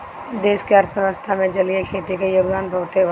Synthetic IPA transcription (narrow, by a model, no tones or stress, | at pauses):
d̪eːskeɐɾt̪ʰʋəst̪ʰamẽd͡ʒɐliekʰeːt̪ikejoːɡd̪aːnbʱɐʋt̪eʋ